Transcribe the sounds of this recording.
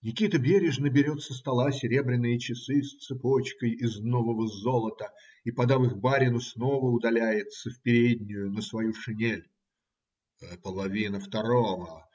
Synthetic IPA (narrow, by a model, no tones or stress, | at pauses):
nʲɪkʲit̪əbʲeɾʲɪʐnəbʲɪɾʲo̞t̪səst̪ɐlˠasʲɪɾʲe̞bɾʲɪnːɨjət͡ɕɪsɨst̪sɨpot͡ɕkəjɪznovəvəzolˠət̪ə | ipɐd̪avɨxbaɾʲɪnʊsnovəʊd̪ɐlʲæjɪt̪səfpʲɪɾʲedʲnʲʊjʊnəsvɐjuʂɨnʲelʲ | pəlˠɐvʲinəft̪ɐɾovə